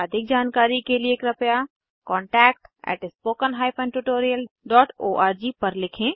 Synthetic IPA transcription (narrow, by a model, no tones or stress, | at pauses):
ɐd̪ʱɪk̚d͡ʒaːnkaːɾikelieːkɾɐpja | kɔːɳʈɛːk̚ʈɛ̰ːʈɪspoːkənɦaːɪpʰɛ̃ːɳɖʈuʈoːɾijəlɖɔːʈoːʔaːɾd͡ʒipəɾlɪkʰẽ